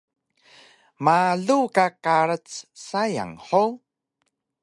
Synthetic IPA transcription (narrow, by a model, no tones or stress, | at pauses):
maɮukakaɾət͡ssaja̰ŋħo